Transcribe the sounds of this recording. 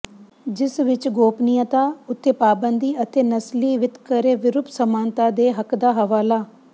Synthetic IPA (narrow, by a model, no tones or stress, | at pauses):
d͡ʒɪsʋɪt͡ʃɡoːpnijãːt̪aːʊt̪ʰːeːpaːbənd̪iːət̪ʰeːnəsliːʋɪt̪kəɾeːʋɪɾʊpsəmaːnt̪aːd̪eːɦəkd̪aːɦəʋaːlaː